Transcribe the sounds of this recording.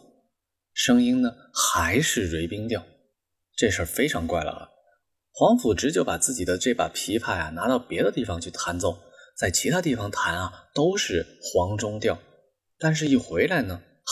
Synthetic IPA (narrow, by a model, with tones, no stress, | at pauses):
ʂɤ˥ŋi˥nnə˨ | xa˧˥ɪʂɻ̩˥˩ɻwe˧˥ɪpi˥ŋt̪jɑ˥˩ʊ | ʈ͡ʂɤ˥˩ʂə˞˥˧˩fe˥ɪʈ͡ʂʰɑ˧˥ŋkwa˥˩ɪlə̰˩ə̰˩ | xwɑ˧˥ŋfu˨˩ʈ͡ʂɻ̩˧˥t͡ɕjo˥˩ʊpa˨˩t͡sɹ̩˥˩t͡ɕi˨˩d̪ə˦ʈ͡ʂe˥˩pa̰˨˩pʰi˧˥pʰa˥˩ɪja̰˩na˧˥t̪ɑ˥˩ʊpjɛ˧˥ɾə˧t̪i˥˩fɑ˧˥ŋt͡ɕʰy˥˩t̪ʰa˧˥nt͡so˥˩ʊŋ | t͡sa˥˩ɪt͡ɕʰi˧˥t̪ʰa˥t̪i˥˩fɑ˩ŋt̪ʰa˧˥nɐ˧t̪o˥ʊʂɻ̩˥˩xwɑ˧˥ŋʈ͡ʂʊ˥ŋt̪jɑ˥˩ʊ | t̪a˥˧nʂ̬ɻ̩˥˧i˥˩xwe˧˥ɪla˧˥ɪnə˩